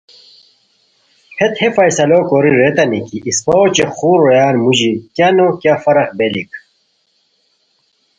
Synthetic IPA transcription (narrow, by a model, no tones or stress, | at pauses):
hʰet̪hefɐjsɐloːkoːɾiɾet̪ɐnikiʔispoot͡ɕexuːɾojaːnmuʑikjanokjafɐɾɐχbelik